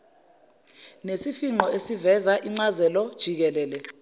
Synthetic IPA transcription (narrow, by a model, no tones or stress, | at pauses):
nesifiŋ͡ǃɔesivɛzaʔiŋ͡ǀazɛlɔd̥ʒ̥ʱik̬ɛlɛːlɛ